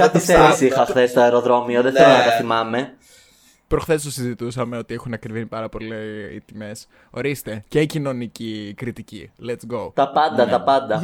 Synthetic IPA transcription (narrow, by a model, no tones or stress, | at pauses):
kɐt̪iseɾisixɐxθest̪oeɾo̞ðɾo̞mioðeθelonɐt̪ɐθimɐme̞ | pɾoxθe̞st̪osizit̪usɐmeo̞t̪iexunɐkɾivinipɐɾɐpo̞liḭt̪ime̞s | o̞ɾist̪e̞ce̞icino̞nicikɾit̪icilet̪sɡot̪ɐpɐnd̪ɐt̪ɐpɐnd̪ɐ